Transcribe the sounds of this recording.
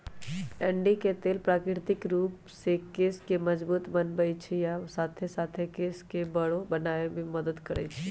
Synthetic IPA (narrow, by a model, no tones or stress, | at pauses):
ɛ̃ːɳɖiket̪eːlpɾaːkɾɪɾt̪ɪkɾuːp | sekeːskemɐd͡ʒbuːt̪bənbəit͡ʃʰijasaːt̪ʰesaːt̪ʰekeːskebɐɽobɐnaːebʱimɐd̪əd̪kəɾə̰it͡ʃʰi